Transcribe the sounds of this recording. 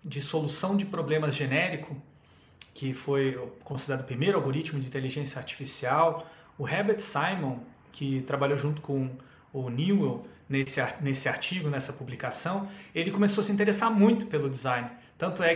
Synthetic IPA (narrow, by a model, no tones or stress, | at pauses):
d͡ʒɪsolusɐ̃w̃d͡ʒɪpɾoblẽmɐzʒenɛɾikʊ | kʰɪfojkõsid̪eɾad̪ʊpɾimejɾʊawɡoɾit͡ʃmʊd͡ʒɪĩnt̪eliʒẽsjɐaɾt͡ʃi̥fisiaw | ʊhɛbet͡ʃsajmõ | kʰɪt̪ɾabaʎowʒũnt̪ʊ̥kõ | ʊniwewnesɪanesɪaɾt͡ʃiɡʊnɛsɐpublikasɐ̃w̃elɪkõmesowɐsɪĩnt̪eɾesaɾmũj̃t̪ʊ̥pelʊd͡ʒizãjnɪɾt̪ɐ̃nt̪ʊɛ